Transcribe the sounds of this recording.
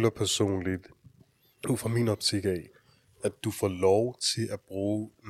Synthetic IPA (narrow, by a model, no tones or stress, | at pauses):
lɐpʰæɐso̝̰ːnlid̥ | ufɒminɒ̽b̥sʰeɡ̥ɛ | æd̥ufɒ̰ːlɒʊt͡sʰe̝lʔæb̥ʁuːn